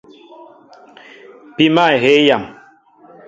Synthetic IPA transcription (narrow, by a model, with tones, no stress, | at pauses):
pi˦ma˦˨e˨ɦe˦ja˨m